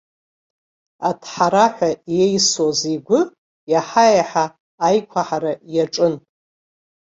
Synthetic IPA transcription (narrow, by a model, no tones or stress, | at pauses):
atʰħaɾaħʷᶣajejswazeɡʷʊ | jaħajaħaː | jkʷʰaħaɾajaʈ͡ʂʼɨn